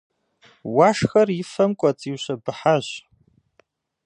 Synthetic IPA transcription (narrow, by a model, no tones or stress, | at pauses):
waʂxɐrɪfɐmkʷʼɔt͡sʼiːwɕɐbɨħaʑ